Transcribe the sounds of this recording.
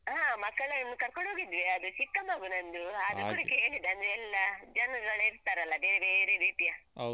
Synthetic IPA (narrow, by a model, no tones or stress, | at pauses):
ɦaːmɐkːɐɭɐinukɐɾkoɳɦoːɡid̪ʋeɐd̪ut͡ʃikːɐmaːɡunɐnd̪uɐd̪ukuːɽɐkeːɭid̪ɐnd̪ɾeɛlːɐd͡ʒɐnɡɐɭiɾt̪ːaːɾɐlːɐbeːɾebeːɾebiːʈjɐ